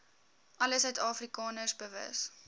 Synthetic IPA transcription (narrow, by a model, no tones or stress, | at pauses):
ʔɐləsɛtɑːfrikɑːnərsbəvə̰s